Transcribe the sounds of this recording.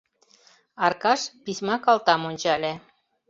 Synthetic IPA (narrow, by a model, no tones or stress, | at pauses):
ɑrkɑʃpisʲmɑkɑlt̪ɑmonʲt͡ɕɑlʲĕ